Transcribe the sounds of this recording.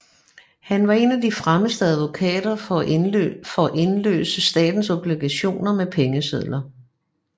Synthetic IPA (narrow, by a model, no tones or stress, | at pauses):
hænʋɑ̈e̝næd̥ifʁaməsd̥əæð̞ˠʋo̝kʰɛ̰ːd̥ɐɒ | fɒ̽ʔe̝nlø̰ːsəsd̥ɛ̰ːd̥n̩sob̥liɡ̥æɕo̝̰ːnɐmepʰeŋəseðˠlɐ